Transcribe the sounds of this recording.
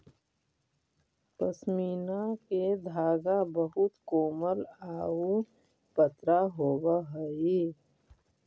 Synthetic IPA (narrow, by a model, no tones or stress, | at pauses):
pəsmiːnaked̪ʱaːɡabəɦʊt̪koːməlaːu | pət̪ɾaɦoːbaɦəi